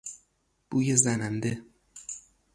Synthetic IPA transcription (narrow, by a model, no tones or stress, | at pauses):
b̥uːjezænænd̪e